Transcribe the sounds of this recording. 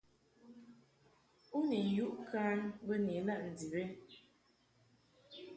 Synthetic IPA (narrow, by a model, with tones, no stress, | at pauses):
u˦ni˨ju˦ʔkʰaː˦nbə˦ni˨˦la˦˨ʔn̩˨di˨be˦